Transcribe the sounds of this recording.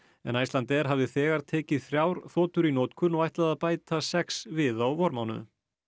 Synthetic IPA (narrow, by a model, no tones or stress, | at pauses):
ɛ̰najst̪lant̪ɛɾ̥ɦavðɪθɛːɣaɾ̥t̪ʰɛːcɪðθɾjaːwɾ̥θɔːt̪ʏɾinɔːt̪kʰʏnːɔɣajht̪laðaðpaːjt̪asɛksvɪðawvɔɾmawnʏ̰